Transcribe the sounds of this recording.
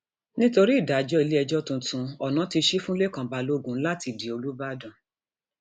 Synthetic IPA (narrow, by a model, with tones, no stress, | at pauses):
nĩ˦to˧ɾi˦i˦˨da˨d͡ʒɔ˦i˧le˦ɛ˧d͡ʒɔ˦tũ˧tũ˧ɔ˨nã˨˦ti˧ʃi˦fũ˦le˦kã˨ba˨˧lo˦ɡũ˨˦n̩˦la˦ti˧˨di˨o˧lu˦ba˦dã˨